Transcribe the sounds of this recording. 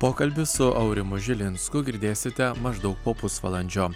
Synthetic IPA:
poːkɐlʲbʲɪsʊʔɐʊɾʲɪmʊʒʲɪlʲɪnskʊɡʲɪɾʲd̪ʲeːsʲɪt̪ʲɛmɐʒd̪ɐʊk̚poːpʊsʋɐlˠɐnʲd͡ʒʲoː

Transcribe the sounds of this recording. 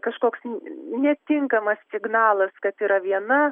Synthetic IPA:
kɐʃkoːksnʲɛt̪ʲɪŋkɐmɐssʲɪɡnɑːlˠɐskɐt̪iːɾɐʋʲiɛnɐ

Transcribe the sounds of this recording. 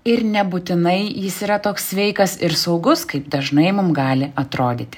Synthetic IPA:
ɪɾnʲɛbʊt̪ʲɪnɐɪjɪsiːɾɐt̪oːksːʲʋʲɛɪkɐsɪɾsɐʊɡʊskɐɪpd̪ɐʒnɐɪmʊmɡɑːlʲɪʔɐt̪ɾoːd̪ʲiːt̪ʲɪ

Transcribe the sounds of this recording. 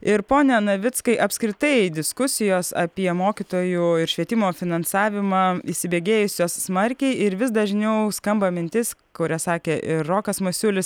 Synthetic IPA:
ɪɾpoːnʲɛnɐʋʲɪtskɐɪʔɐpʲskɾʲɪt̪ɐɪd̪ʲɪskʊsʲɪjoːsɐ̰pʲiɛmoːkʲɪt̪oːjuɪɾʃʲʋʲiɛt̪ʲɪmoːfʲɪnɐnsɑːʋʲɪmɑiːʃʲsʲɪbʲeːɡʲeːjʊsʲoːsːmɐɾʲkʲɛɪɪɾʋʲɪsd̪ɐʒʲnʲɛʊskɐmbɐmʲɪnʲt̪ʲɪskʊɾʲɛsɑːkʲeːʔɪrːoːkɐsmɐsʲʊlʲɪs

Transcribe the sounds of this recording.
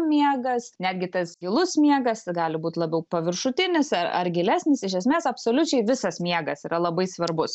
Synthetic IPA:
mʲiɛɡɐsnʲæːd̪ʲɡʲɪt̪ɐsɡʲɪlˠʊsmʲiɛɡɐsɡɑːlʲɪbuːt̪ʲlˠɐbʲɛʊpɐʋʲɪrʃʊt̪ʲɪnʲɪsɐɐ̰rɡʲɪlʲæːsʲnʲɪsɪʃ̬ʲɛsʲmʲeːsɐpsoːlʲʊt͡ʃʲɛɪʋʲɪsɐsmʲiɛɡɐsiːɾɐlˠɐbɐɪsʋɐɾbʊs

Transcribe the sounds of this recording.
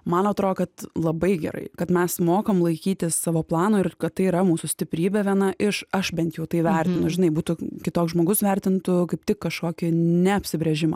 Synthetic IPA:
mɐnɐt̪ɾoːdkɐt̪lˠɐbɐɪɡʲɛ̰ɾɐ̰ɪkɐt̪mʲɛsmoːkomlˠɐɪkʲiːt̪ʲɪsːɑːʋoːplˠɑːnoːɪrkɐt̪̚ːɐɪiɾɐmuːsʊsʲt̪ʲɪpʲɾʲiːbʲɛʋʲiɛnɐʔɪʃɐʃbʲɛnt̪jɛʊt̪ɐɪʋʲɛɾʲt̪ʲɪnʊʒʲɪnɐɪbuːt̪ʊkʲɪt̪oːkszʒmoːɡʊsʋʲɛɾʲt̪ʲɪnt̪ʊkɐɪpt̪ʲɪkkɐʃkoːkʲɪnʲɛɐpʲsʲɪbʲɾʲɛʒʲɪmɐ̰ː

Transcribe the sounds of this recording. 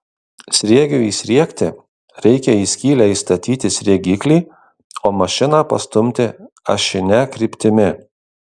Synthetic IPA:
sʲɾʲiɛɡʲʊiːsʲɾʲiɛkʲt̪ʲɪ | ɾʲɛɪkʲɛiːsʲkʲiːlʲæːiːst̪ɐt̪ʲiːt̪ʲɪsʲɾʲiɛɡʲiːklʲiː | oːmɐʃʲɪnɑpɐ̰st̪ʊmʲt̪ʲɪ | ɐ̰ʃʲɪnʲɛkɾʲiːˑpʲt̪ʲɪmʲɪ

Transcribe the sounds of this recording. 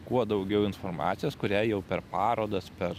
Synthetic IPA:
kuɔd̪ɒʊɡʲɛʊɪnfoɾmɑ̰ːt̪sʲɪjoːskʊɾʲæːjɛʊpʲɛɾpɑːɾoːd̪ɐspʲɛɾ

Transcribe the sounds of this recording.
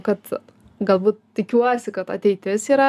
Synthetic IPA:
kɐt̪ | ɡɐlˠbuːt̪̚tʲɪkʲuɔsʲɪkɐt̪ɐ̰t̪ʲɛɪt̪ʲɪsiːɾɐ

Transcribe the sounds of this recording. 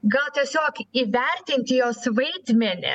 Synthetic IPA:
ɡɐlˠt̪ʲiɛsʲoːkiːʋʲɛɾʲt̪ʲɪnʲt̪ʲjoːsʋɐɪd̪ʲmʲɛnʲɪ̰

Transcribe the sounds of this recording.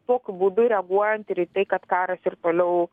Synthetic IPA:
t̪oɔkʲʊbuːd̪ʊɾʲɛɡuɔjɛnt̪ɪɾit̪ɐɪkɐt̪kɑːɾɐsɪɾt̪oːlʲɛʊ

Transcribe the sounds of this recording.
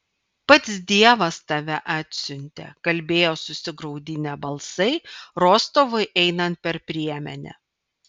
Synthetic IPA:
pɐt̪sd̪ʲiɛʋɐst̪ɐʋʲɛʔɑːt̪ʲsʲʊnʲt̪ʲḛkɐlʲbʲeːjoːsʊsʲɪɡɾɒʊd̪ʲɪnʲɛbɐlˠsɐɪɾoːst̪oːʋɐɪʔɛɪnɐnt̪̚pʲɛɾpʲɾʲiɛmʲɛ̰nʲɛ̰

